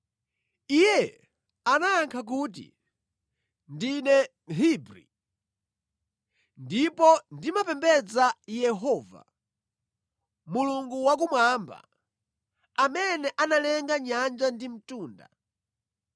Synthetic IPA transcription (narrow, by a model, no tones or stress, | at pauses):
ijɛ | anaːŋkʰak̬uːt̬ḭ | ndinɛ | ɦibɾḭ | ndipɔndimapɛmbɛd͡zajɛɦɔːva̰ | muluŋɡuwak̬umwamba̰ | amɛnɛʔanalɛŋɡaɲand͡ʒandim̩tuːnda̰